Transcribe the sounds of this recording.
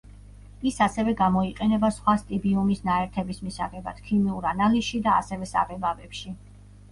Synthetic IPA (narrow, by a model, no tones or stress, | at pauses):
isasɛvɛɡamɔiqʼɛnɛbasχwast̪ʼibiumisnaɛɾt̪ʰɛbismisaʁɛba̰d̪̥kʰimiuɾanalisʃid̪a̰ːsɛvɛsa̰ʁɛbavɛpʃi